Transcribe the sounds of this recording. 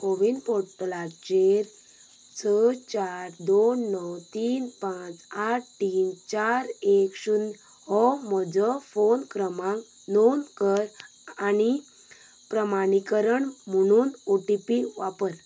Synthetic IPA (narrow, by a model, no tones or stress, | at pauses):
ɦoʋinpoɾʈəlaɾt͡ɕeɾ | t͡sʰət͡ɕaɾd̪onːəwt̪iːnpãt͡saʈ̚tiːnt͡ɕaɾekɕun | hɔmɔd͡zəfonkɾəmãŋ | nonkəɾ | ani | pɾəmañikəɾəɳm̤əɽ̃uːnoʈipiʋapəɾ